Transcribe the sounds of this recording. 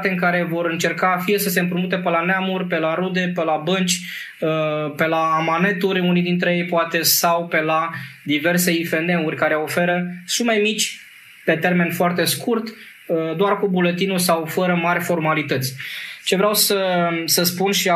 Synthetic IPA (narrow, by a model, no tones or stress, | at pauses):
t̪e̞ɨŋkaɾe̞vo̞ɾɨnt͡ʃe̞rkafije̞səse̞ɨmpɾumut̪e̞pelaneamurʲpe̞laɾud̪e̞pelabɨnt͡ʃʲ | pelaːmane̞t̪uɾʲunijd̪int̪ɾe̞je̞jpoat̪e̞sawpe̞lad̪ive̞rse̞ife̞nd̪e̞urʲkaɾe̞o̞fe̞ɾəsume̞mit͡ʃʲ | pe̞t̪e̞rme̞nfoart̪e̞skurt̪ | d̪oarkubulet̪inusawfəɾəmarʲfo̞rmalit̪ət̪sʲt͡ʃe̞vɾeawsəsəspunʃia